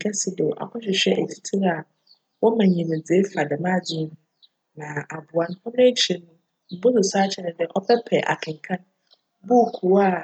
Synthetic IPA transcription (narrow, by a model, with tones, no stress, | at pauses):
kʰɛ˦sɪ˦do˨ʔa̰˨kʰɔ̃˦ɕᶣɪ˨ɕᶣɛ˦ʔe˨tʰi̥˦tʰi˦ɾa˨ | wɔ˦mã˨ɲĩ˨me˨d͡ze˦fa˨dɛ˨mã˦d͡zɪ˦n˦ | nã˨ʔa˨bʊ˨a˦n˦hɔ˦nʊ̃˦e˦t͡ɕʰe˨nʊ̃˦ | m̩˨bʊ˦zʊ˨saː˦t͡ɕʰɛ˦nɪ̃˨dɛ˦ʔɔ˦pʰɛ˦pʰɛ˨ʔa̰˨kʰɪ̃˨ŋ˨kʰã˦n | bʊ˦˨kʰu˨wa˦˨